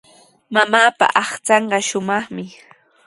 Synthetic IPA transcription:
mamaːpa̰ʔɑχt͡sɑɴɢɑʃʊmɑχmɪ

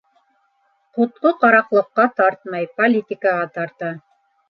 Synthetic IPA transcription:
qŏt̪̚qoqɑɾɑqlˠɤ̆qːɑt̪ɑɾt̪̚mɑjpolʲit̪ʲikəʁɑt̪ɑɾt̪ɑ

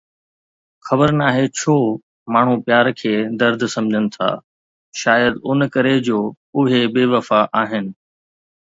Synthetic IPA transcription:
xɐbəɾnaːɦet͡ɕʰoː | maːɳ̤upjaːɾkʰeːd̪ɐɾd̪ʱsɐ̃md͡ʑʱənɪ̆t̪ʰa̰ː | ʃaːjəd̪ʊnkɐɾed͡ʑoː | ʊɦebeːʋɐfaʔaːɦɪnɪ̆

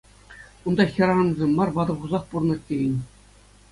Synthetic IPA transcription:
und̪ɑxʲɤ̆ɾɑɑnzʲemʲːɑrʋɑd̪ɤ̆ʁuzɑχpurnɤ̆tʲːejɘ̆nʲ

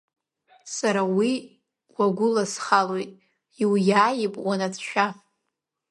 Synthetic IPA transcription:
saɾawi | waɡʷʊlasχalojtʼ | iwjaːjɪpʼwanat͡sʰʃᶣa

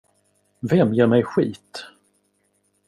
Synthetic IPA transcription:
vɛmjeːɾmɛjɧiːt̪

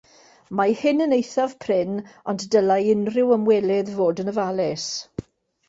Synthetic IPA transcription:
mahɪnənejθav̥pʰrɪnɔnddəlajɪnrɪwəmwɛlɛðvoːdənəvalɛs

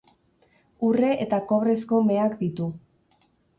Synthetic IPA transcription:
ure̞ʔet̪ako̞βɾe̞sko̞me̞akd̪it̪u

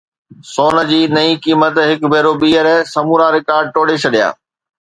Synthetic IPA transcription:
soːnə̆d͡ʑiːnɐĩkiːmət̪ɦɪkbʱeːɾoɓiːəɾsɐmuːɾaɾɪkaːɾɖ̚ʈoːɽet͡ɕʰɐɗija̰ː

